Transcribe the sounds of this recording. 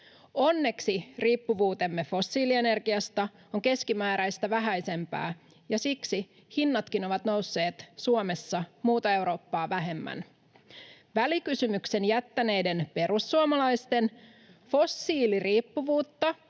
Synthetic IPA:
o̞nːe̞ksiriːpːuʋuːt̪e̞mːefo̞sːiːlie̞ne̞rɡiɑst̪ɑ | oŋke̞skimæːɾæjst̪æʋæɦæjse̞mpæ̰ː | jɑsiksi | hinːɑt̪kino̞ʋɑt̪no̞wsːe̞ːt̪suome̞sːɑmuːt̪ɑe̞wɾo̞ːpːɑːʋæɦe̞mːæ̰n | ʋælikysymyksenjæt̪ːæne̞jde̞npe̞ɾusːuomɑlɑjst̪e̞n | fo̞sːiːliriːpːuʋuːt̪ːɑ

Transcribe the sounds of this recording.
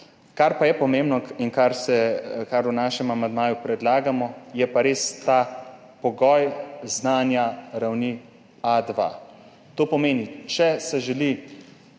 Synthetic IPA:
kaɾpajɛpɔmeːmbnɔinkaɾsɛkaɾwnaːʃɛmamand̪maːjupɾɛd̪laːɡamɔjɛpaɾeːst̪a | pɔɡɔːjznaːnjaɾawni | ad̪ʋa̰ | t̪oːpɔmeːnit͡ʃɛsɛʒɛli

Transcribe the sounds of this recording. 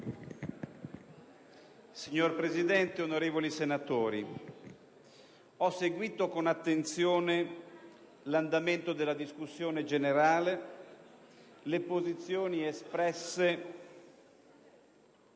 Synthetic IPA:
siɲːorpɾezid̪ɛnt̪eonoɾeːvolisenat̪oːɾi | ɔseɡwiːt̪okonat̪ːent̪sjoːne | land̪ament̪od̪elːad̪iskusːjoːned͡ʒeneɾaːle | lepozit̪sːjoːniespɾɛsːe

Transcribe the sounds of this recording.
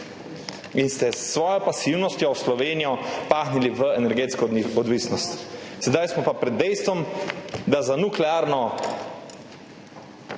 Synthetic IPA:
inst̪ɛsːʋɔːjɔpasiwnɔst̪jɔwslɔʋeːnijɔpaːxniliʋəɛnɛɾɡeːt̪skɔɔd̪ʋiːsnɔst̪sɛd̪ajsmɔpapɾɛd̪ːɛjst̪ʋɔmd̪azanuklɛaːɾnɔ

